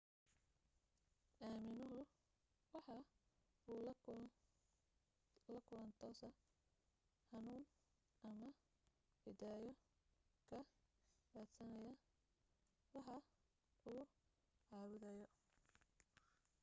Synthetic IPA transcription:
ʔaːmɪnʊɦʊ | wɑħɑ | uːl | lɐkʰʊlɐnt̪ʰɔsɐ | hɑnuːn | ɐmɐ | ɪd̪aːjɔkʰɐbaːt̪sɐnɐjɐ | wɑħɑ | uː | ʕɑːwʊðɐjɔ

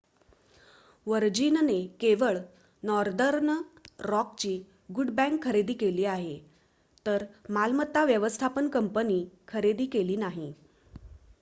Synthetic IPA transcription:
ʋəɾd͡ʑinnekeʋəɭ | nɔɾd̪əɾnɾɔkt͡ɕiː | ɡuɖbæ̃ŋkʰːəɾed̪iːkeliːaɦe | t̪əɾmalmət̪ːaʋjəʋəst̪ʰapənkəmpəniːkʰəɾed̪iːkeliːnaɦi

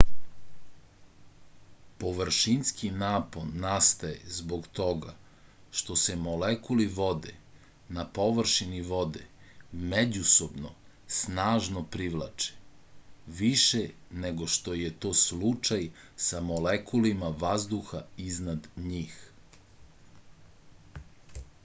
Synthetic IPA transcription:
po̞ʋr̩ʃinskinaːponast̪ajezboɡt̪o̞ɡa | ʃt̪o̞se̞mo̞lekuliʋo̞d̪ḛ | napo̞ʋr̩ʃiniʋo̞d̪emed͡ʑuso̞bno | snaːʒnopɾiʋlˠa̰t͡ʃe̥ | ʋiʃene̞ɡo̞ʃt̪o̞je̞t̪o̞ːslut͡ʃaj | samolekulimaʋazd̪uxaiznad̪ɲiːx

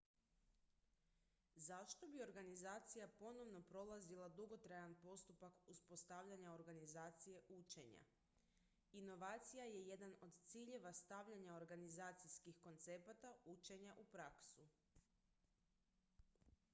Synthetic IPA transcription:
zaʃt̪o̞bio̞ɾɡanizaːt̪sijapo̞no̞ʋno̞pɾo̞lˠazilˠad̪uɡo̞t̪ɾajanpo̞st̪upakuspo̞st̪aʋʎaɲao̞ɾɡanizaːt̪sije̞ʔut͡ʃe̞ɲa̰ | ino̞ʋaːt̪sijaje̞jed̪ano̞d̪t̪siːʎe̞ʋast̪aʋʎaɲao̞ɾɡanizaːt̪sijskixko̞nt̪se̞pat̪aut͡ʃe̞ɲaʔupɾaksu

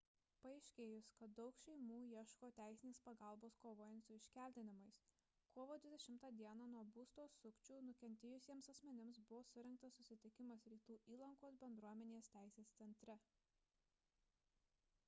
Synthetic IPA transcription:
pɐɛɪʃʲkʲeːjʊskɐt̪̚d̪ɒʊkʃʲɛɪmuːjiɛʃkoːt̪ʲæˑɪsʲɪnʲeːspɐɡɑˑlˠboːskoːʋoːjɛnt̪sʊɪʃʲkʲæˑlʲt̪ʲɪnʲɪmɐɪs | koːʋoːd̪ʲʋʲɪd̪ʲɛʃʲɪmt̪ɑːd̪ʲiɛnɑnuɔbuːst̪oːsʊkʲt͡ʃʲuːnʊkʲɛnʲt̪ʲeːjʊsʲiɛmsɐsʲmʲɛnʲɪmsbʊʋoːsʊɾʲɛŋk̚t̪ɐsːʊsʲɪt̪ʲɪkʲɪmɐsɾʲiːt̪uːʔiːlˠɐŋkoːsbʲɛnd̪ɾuɔmʲɛnʲeːst̪ʲæˑɪsʲeːst̪sʲɛnʲt̪ʲɾʲɛ

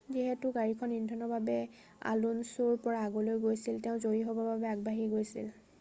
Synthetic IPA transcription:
ziɦɛtʊɡaɹikʰɔnːindʰʱɔnɔbabɛ | a̰lunsuɹpɔɹaːɡɔlojɡojsilteʊ̃zoɹiɦɔbɔbabɛaɡ̚baɦiɡojsḭl

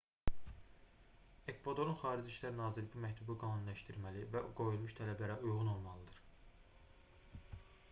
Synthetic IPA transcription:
ekvod̪o̞ɾˠunxɑːɾid͡ʒiʃlæɾnɑːziɾbumæct̪ʰubɯɡɑːnunlæʃt̪iɾmælivæɡo̞julˠmuʃt̪ʰælæblæɾæujʁuno̞lˠmɑlˠɯd̪ɯɾ̥

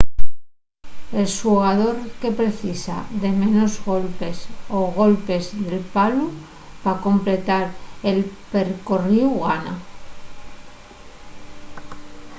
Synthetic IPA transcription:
e̞lsuɣaðo̞ɾke̞pɾe̞θisa̰ðe̞mẽ̞nozɣo̞lpe̞so̞ɣo̞lpe̞zðe̞lpalu | bako̞mple̞t̪aɾe̞lpe̞ɾkoriuɣana̰

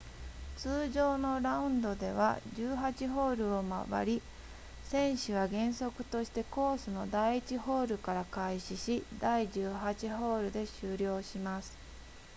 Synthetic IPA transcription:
t͡sɨːʑo̞ːno̞ɾaɯ̟̃nd̪o̞d̪e̞̰βa̰d͡ʑɨːɦat͡ɕiɦo̞ːɾɯ̟o̞ma̰ba̰ɾʲi | sẽ̞ɰ̃ɕiβaɡẽ̞ɰ̃so̞kɯ̟̥t̪o̞ɕi̥t̪e̞ko̞ːsɨno̞d̪aiit͡ɕiho̞ːɾɯ̟kaɾakaiɕiɕid̪aiʑɨːɦat͡ɕiɦo̞ːɾɯ̟d̪e̞ɕɨːɾʲjo̞ːɕimasɨ̥

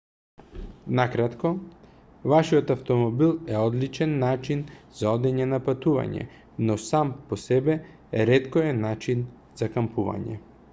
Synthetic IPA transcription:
nakɾat̪kɔ | vaʃiɔt̪aft̪ɔmɔbilˠɛɔd̪lit͡ʃɛnːat͡ʃinz̥aɔd̪ɛɲɛnapat̪uva̰ɲɛ̰ | nɔsampɔsɛbɛ | ɛɾɛt̪kɔɛnat͡ʃin | z̥akampuva̰ɲɛ̰

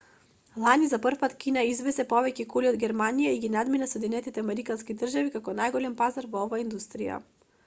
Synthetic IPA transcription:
lˠanizapr̩fpat̪kʲinaizvɛsɛpɔvɛcɛkuliɔd̪ɡʲɛɾmanijaiɡinad̪minasɔɛd̪inɛt̪it̪ɛamɛɾikanskid̪r̩ʒavikakɔnajɡɔlʲɛmpazaɾvɔɔvaːind̪ust̪ɾija̰

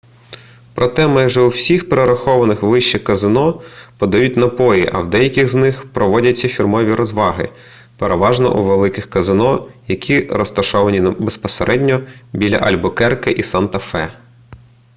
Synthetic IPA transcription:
pɾʔɔt̪ɛmɑjʒɛuwsʲixpeɾeɾɐxɔʋɐnɪxʋɪʃt͡ʃɛkɐzɪnɔpɔd̪ɐjutʲnɐpɔjiʔɐ̰wd̪ɛjɐkʲɪɣznɪxpɾɔʋɔdʲɐt͡sʲːɐfʲirmɔʋʲiɾɔzʋɑɦɪ̰ | peɾeʋɑʒnɔ̰ʔṵʋelˠɪkɪxkɐzɪnɔjɐkʲʰiɾɔst̪ɐʃɔʋɐnʲinɐbespɔseɾʔɛdʲnʲɔbʲilʲɐ̰ʔɐlʲbɔkɛrkɪʔisɑnt̪ɐfɛ̰

